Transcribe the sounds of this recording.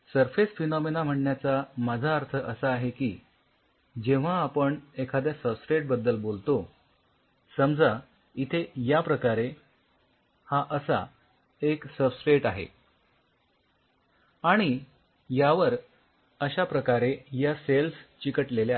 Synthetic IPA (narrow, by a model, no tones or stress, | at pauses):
səɾfesfinɔmenam̤əɳɳjat͡samad͡zʱaəɾt̪ʰəʔəsaːɦekiː | d͡ʑeʋ̤aːpəɳekʰad̪jasəbsɾeʈ̚bəd̪ːəlbolt̪o | səmd͡za | it̪ʰejapɾəkaɾe | haʔəsa̰ | eksəbsɾeʈaɦḛ | aɽ̃i | jaʋəɾ | əɕapɾəkaɾejaselst͡ɕikəʈlelea